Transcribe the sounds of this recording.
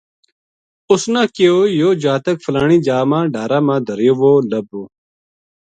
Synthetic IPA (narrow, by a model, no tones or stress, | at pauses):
ʊsnãːkiojoːd͡ʑaːt̪ɐkfɐlaːɳiːd͡ʒaːmãːɖaːɾaːmãːd̪ʱəɾjoːʋoːlɐboː